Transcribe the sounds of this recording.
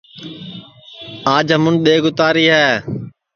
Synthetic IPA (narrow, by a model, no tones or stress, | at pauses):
aːd͡ʒəmʊnɗ̪eːɡʊt̪aːɾiːɦɛː